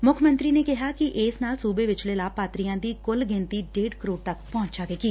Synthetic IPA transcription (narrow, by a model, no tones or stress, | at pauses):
mʊkʰmə̃nt̪ɾiːnekɪɦaːkiʔɪːsnaːlsuːbeʋɪt͡ʃlelaːpːaːt̪ɾijãd̪iːkʊlɡɪ̃nt̪iɖeːɖkəɾoːɽt̪ɐkpɔ̃ːɲt͡ʃaːʋekiː